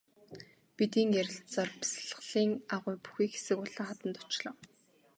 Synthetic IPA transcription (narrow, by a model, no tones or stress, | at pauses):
pit̪iːŋjæɾʲɪ̆ɬt̪t͡sɔrpi̥sɮə̆χɮiːŋaʁʊːpu̥xiːxe̥sɘ̆kʊɮăːχat̪ə̆nt̪ʊt͡ɕɮɞ̆w